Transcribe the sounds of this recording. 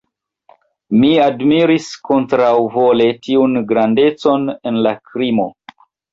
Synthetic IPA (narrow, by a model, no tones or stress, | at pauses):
miadmiɾisko̞ntɾawvo̞le̞tiunɡɾande̞t͡so̞ne̞nlakɾimo̞